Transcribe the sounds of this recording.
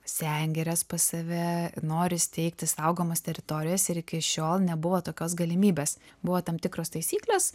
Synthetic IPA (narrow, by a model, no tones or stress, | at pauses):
sʲɛŋʲɡʲɛɾʲɛspɐsɐʋʲɛnoːɾʲɪsʲt̪ʲɛɪkt̪ʲɪsɐʊɡoːmoːst̪ʲɛɾʲɪt̪oːɾʲɪjoːsɪɾɪkʲɪʃʲoːlˠnʲɛbʊʋoːt̪oːkʲoːs̬ɡɐlʲɪmʲiːbʲeːs | bʊʋoːt̪ɐmt̪ʲɪkɾoːst̪ɐɪsʲiːklʲoːs